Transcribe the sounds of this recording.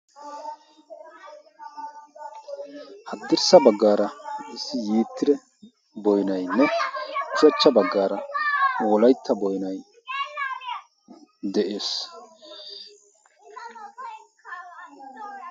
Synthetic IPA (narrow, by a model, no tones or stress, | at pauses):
hɐd̪ːɪɾsɐbɐɡːaːɾɐɪsɪjiːt̪ːɪd̪ɛ | bɔjnɐjnːɛt͡ʃːʊɐt͡ʃːɐbɐɡːaːɾɐoːlɐjt̪ʰːɐbɔjnɐj | d̪ɛʔeːs